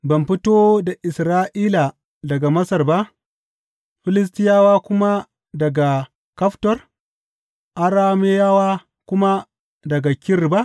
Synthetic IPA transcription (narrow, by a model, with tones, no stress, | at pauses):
bɐ˨mɸi˦toː˦da˨ʔɪ˨sɾaː˦ʔiː˦la˨ | dɐ˨ɡa˨mɐ˦sɐ˨rba˦ʔ | ɸɪ˦lɪ˦s̬tɪ˦jaː˦waː˦kʷʊ˦ma˦ | dɐ˨ɡa˨ | kɐ˦ɸtɔ˨r | ʔa˦ɾaː˦me˦jaː˦waː˦ | kʷʊ˦ma˦ | dɐ˨ɡa˨kʲɪ˦rba˦ʔ